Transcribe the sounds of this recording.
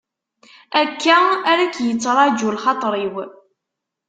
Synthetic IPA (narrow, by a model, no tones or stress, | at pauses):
ækːæaɾækjət͡sːɾˤɑd͡ʒulχɑt̪ˤɾˤiw